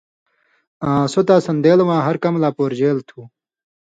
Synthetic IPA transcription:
ãːsot̪aːsɐnd̪eːlwãːɦɐɾkɐmlaːpoːɾd͡ʑeːlt̪ʰuː

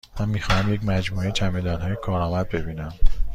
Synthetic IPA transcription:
mænmːiːxɒːhæmje̞c̬mæd͡ʒmuːet͡ʃʰæmed̪ɒːnɦɒːjekʰɒːɾɒːmæd̪̚be̞biːnæm

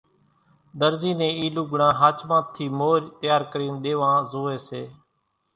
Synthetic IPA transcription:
ɗ̪əɾziːnẽːiːlũːɡəɳãːɦaːt͡ʃmãːt̪ʰiːmoːɾt̪ɪjaːɾkəɾiːnɗ̪eːʋãːzoːeːseː

